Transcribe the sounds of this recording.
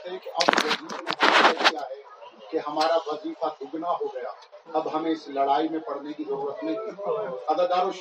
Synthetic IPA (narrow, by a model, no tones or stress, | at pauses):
t̪ɦɛ̃keʔɐbjɐziːd̪nẽɦamɛijaɦɛ | keɦɐmaːɾaʋɐzikad̪ʱʊɡnaɦoɡɐjaː | ɐbɦɐmẽɪslɐɽaːimẽpɐɽ̤nekizɐɾuːɾət̪nɐ̃ɦĩɐd̪aːd̪aːɾoʃ